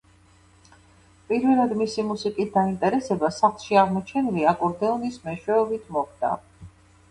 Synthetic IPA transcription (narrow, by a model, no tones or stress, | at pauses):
pʼiɾvɛlˠad̪misimusikʼisd̪aint̪ʼɛɾɛsɛbasaχlˠʃiaʁmɔt͡ʃʰɛniliakʼɔɾd̪ɛɔnismɛʃwɛɔbit̪ʰmɔχd̪a̰